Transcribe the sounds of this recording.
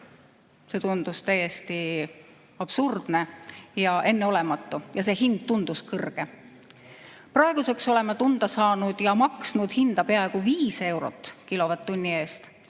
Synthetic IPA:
se̞ːt̪und̪̥ust̪æjːe̞st̪i | ɑb̥surd̪̥ne̞jɑʔe̞nːeo̞lɛ̞mɑt̪ːˑujɑse̞ːɦind̪̥̚t̪und̪̥uskɤrɡ̥e | prɑe̞ɡ̥use̞kso̞le̞mɑt̪und̪̥ɑsɑːnud̪̥jɑmɑksnud̪̥hind̪̥ɑpeɑeɡ̥uviːse̞wɾo̞̰t̪ːˑkilo̞vɑt̪ːunʲːie̞ːst̪

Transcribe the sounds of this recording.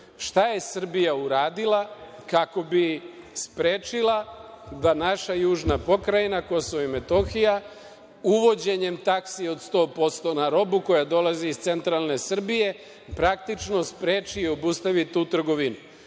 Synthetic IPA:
ʃt̪aje̞sr̩bijauɾaːd̪ilˠakako̞bi | spɾeːt͡ʃilad̪anaʃajuːʒnapo̞kɾajinako̞soʋaime̞t̪o̞xija | uʋo̞d͡ʑe̞ɲe̞mt̪aksio̞d̪st̪o̞ːpo̞st̪o̞naɾo̞buko̞jad̪o̞laziːst̪se̞nt̪ɾalˠne̞sr̩bije̞ | pɾak̚t̪it͡ʃno̞spɾeːt͡ʃiːo̞bust̪aʋit̪ut̪r̩ɡo̞ʋinu

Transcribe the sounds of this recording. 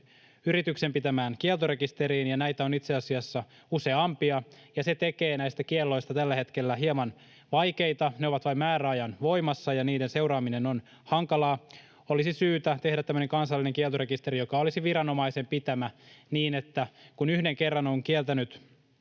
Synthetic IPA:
yɾit̪yksempit̪æmæːnkielt̪oɾe̞kist̪eɾiːnjɑnæit̪æo̞nit̪seɑsiɑsːɑ | use̞ɑmpiɑjɑset̪eke̞ːnæist̪ækielːo̞ist̪ɑt̪ælːæhe̞t̪kelːæɦiemɑn | ʋɑjke̞it̪ɑneoʋɑt̪ʋɑimæːɾæɑjɑnʋo̞imɑsːɑjɑniːdense̞wɾɑːmineno̞n | hɑŋkɑlɑː | olisisyːt̪æt̪e̞hɾæt̪ːæmːøneŋkɑnsɑlːineŋkieɛlt̪orekist̪e̞ɾijo̞kɑolisiʋiɾɑno̞mɑise̞mpit̪æmæniːnet̪ːækunyhdeŋkerːɑnoŋkielt̪ænyt̪

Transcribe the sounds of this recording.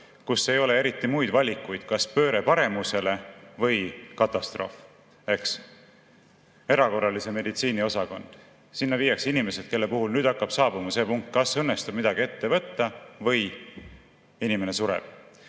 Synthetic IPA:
kusːe̞jo̞le̞e̞ɾit̪ːˑimujd̪vɑlʲikːˑujd̪̥kɑspø̞ːɾe̞pɑɾe̞muse̞le̞vɤ̞jkɑt̪ːˑɑst̪ro̞̰ːf | e̞ks | e̞ɾɑko̞rːɑlise̞me̞d̪it̪siːnio̞sɑko̞nd̪̥ | sinːɑviːjːɑksinime̞se̞d̪̥ke̞lːe̞puhulnyːd̪ɑkːɑb̥sɑːbumɑse̞ːpuŋk̚t̪̚ˑkɑsɤnːe̞st̪ub̥̚mid̪̥ɑɡie̞t̪ːe̞vɤt̪ːɑvɤ̞j | inime̞ne̞suɾḛb̥̚

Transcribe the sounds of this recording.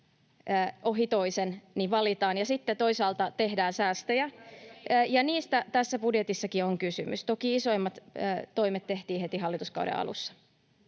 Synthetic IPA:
əːʔoɦit̪oisenniʋʋɑlit̪ɑːnjɑsit̪ːet̪oisɑːlt̪ɑt̪ehdæːnsæːst̪øjæː | jɑniːst̪æt̪æsːæpudjet̪isːɑkioŋkysy̰my̰st̪okiisoimːɑt̪ːt̪oimet̪t̪eht̪iːhet̪iɦɑlːit̪uskɑ̰w̰dɾḛɑ̰lṵsːɑ̥

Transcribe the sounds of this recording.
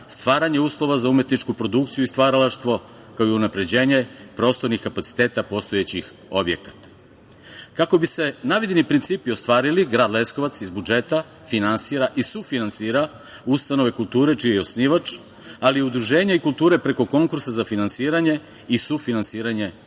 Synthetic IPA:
st̪ʋaːɾaɲe̞uːslˠo̞ʋazaumje̞t̪nit͡ʃkupɾo̞d̪ukt̪sijuist̪ʋaːɾalaʃt̪ʋo̞ | kaoiunapɾe̞d͡ʑe̞ːɲepɾo̞st̪o̞ɾnixkapat̪si̥t̪e̞ːt̪apo̞st̪o̞jet͡ɕix | o̞bje̞̰kḁt̪ḁ | kako̞bise̞naʋid̪inipɾint̪siːpio̞st̪ʋaːɾiliɡɾaːd̪lˠe̞sko̞ʋat̪sizbud͡ʒe̞t̪a | finansiːɾaʔisufinansiːɾa | ust̪ano̞ʋe̞kulˠt̪uːɾe̞t͡ʃijejo̞sniʋat͡ʃ | aliud̪ɾuʒe̞ːɲaikulˠt̪uːɾe̞pɾe̞ko̞ko̞ŋkuɾsazafinansiːɾaɲe̞ | isufinansiːɾaɲe̞

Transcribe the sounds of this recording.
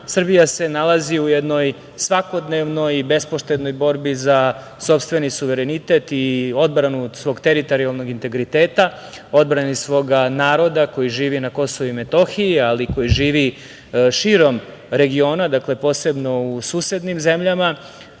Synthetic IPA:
sr̩bijase̞nalaziujɛd̪no̞j | sʋako̞d̪neʋno̞jibe̞spoʃt̪ed̪no̞jbo̞ɾbiza | so̞pst̪ʋe̞nisuʋe̞ɾenit̪e̞t̪io̞d̪bɾanusʋo̞ːɡt̪eɾit̪o̞ɾialˠno̞ɡint̪e̞ɡɾit̪eːt̪a | o̞d̪bɾanisʋo̞ɡanaːɾo̞d̪ako̞jiʒiːʋinako̞so̞ʋuime̞t̪o̞xiialiko̞jiʒiːʋi | ʃiɾo̞m | ɾe̞ɡio̞ːnad̪akle̞po̞ːse̞bno̞usuːsje̞d̪nimze̞mʎama

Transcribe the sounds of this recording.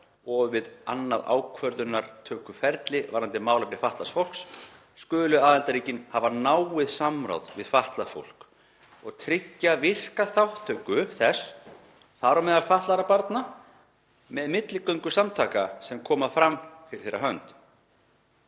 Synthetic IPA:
ɔɣvɪða̰nːaða̰ːwkʰvœɾðʏnːaɾ̥t̪ʰœːkʏfɛɾt̪lɪvaːɾant̪ɪmaːwlapɾɪfaht̪lasfowl̥ksː | kʏːlʏaːðɛnt̪aɾiːcɪnhavanaːwɪðsamɾa̰wðvɪðfaht̪lafo̰wl̥k | ɔɣt̪ʰɾɪcːavɪr̥kaθawht̪ʰːœːkʏθɛs | θaɾɔmɛðalfaht̪laɾapaɾt̪na | mɛðmɪt̪lɪkœɥŋkʏsamt̪ʰaːkasɛmkʰɔːmafɾamfɪɾɪ̥θeːɾaɦœnt̪

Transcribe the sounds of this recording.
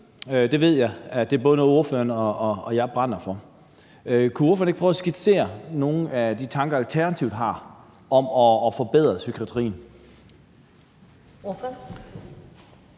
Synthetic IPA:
ød̥e̝ʋe̝ð̞̰ˠjɑ̈ɪæd̥e̝ɐb̥ɔ̽ðˠənɔð̩ˠo̝ɐføɐnɒːjɑ̈ɪb̥ʁan̰ɐfɒ̽ | økʰuo̝ɐføːɐneɡ̥pʁɐʊsɡ̥id̥se̝̰ːɐno̝ːn̩æd̥it͡sʰɑ̈ŋɡ̥ɐælt͡sʰæɐnæt͡sʰiʊd̥ˠɦɑ̈ | ɒ̽mɒ̽ːfɒ̽b̥eð̞̰ˠʁɐsykʰʁæt͡sʰəʁḭːn̩ | of

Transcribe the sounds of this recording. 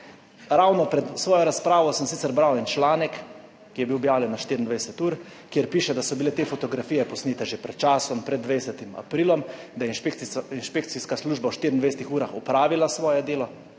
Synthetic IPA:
ɾawnɔpɾɛt̪sʋɔːjɔɾaspɾaːʋɔsəmsiːt̪sɛɾbɾawɛnt͡ʃlaːnɛkː | ijɛbiwɔbjaːwljɛnːaʃt̪iɾind̪ʋaɛsɛt̪uːɾ | kjeɾpiːʃɛd̪asɔbileːt̪efɔt̪ɔɡɾafiːjɛpɔsniːt̪ɛʒepɾɛt̪̚t͡ʃaːsɔmpɾɛd̪ːʋejsɛt̪ima̰pɾiːlɔmd̪ajɛinʃekinʃpek̚t̪siskasluːʒbawʃt̪iːɾind̪ejsɛt̪ixuːɾaxɔpɾaːʋilasʋɔːjɛd̪eːlɔ

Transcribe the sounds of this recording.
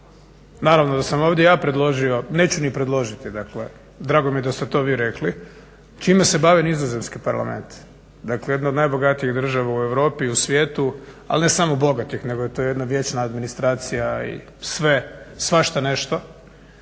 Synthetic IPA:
naːɾaʋnod̪asamo̞ːʋd̪jejaːpɾed̪lˠo̞ʒio̞ne̞ːt͡ɕunipɾed̪lˠo̞ʒit̪id̪akle̞ | d̪ɾaːɡo̞mijed̪ast̪e̞t̪o̞ːʋiːɾekli | t͡ʃiːmese̞baʋinizoze̞mnskipaɾla̰mḛnt̪ | d̪aklejed̪nao̞d̪najbo̞ɡat̪ijiɣd̪r̩ʒaʋaue̞ʋɾo̞ːpiusʋjeːt̪u | a̰lne̞samobo̞ɡat̪ixne̞ɡojet̪ojed̪naʋje̞ːt͡ʃnaːd̪minist̪ɾaːt̪sijaḭ | sʋe̞sʋaʃt̪ane̞ʃt̪o

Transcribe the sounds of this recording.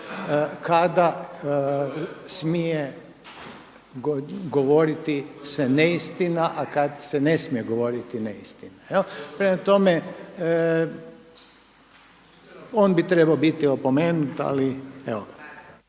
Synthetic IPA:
kad̪a | smije | ɡɡoʋoɾit̪iseneist̪inaʔakad̪senesmijeɡo̞ʋo̞ːɾit̪ineist̪inaelpɾemat̪o̞me | oːnbit̪ɾebaobit̪io̞pomeːnut̪a̰liɛo

